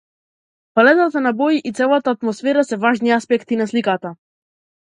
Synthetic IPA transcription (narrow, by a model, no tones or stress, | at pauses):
palɛt̪at̪anabɔiʔit̪sɛlˠat̪aːt̪mɔsfɛɾasɛvaʒniaspɛkt̪inaslikat̪a